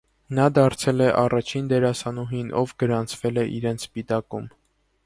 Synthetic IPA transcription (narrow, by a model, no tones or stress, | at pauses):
nɑd̪ɑɾt͡sʰɛlɛʔɑrɑt͡ʃʰind̪ɛɾɑsɑnuɦinʔɔvɡəɾɑnt͡sʰvɛlɛʔiɾɛnt͡sʰpit̪ɑkum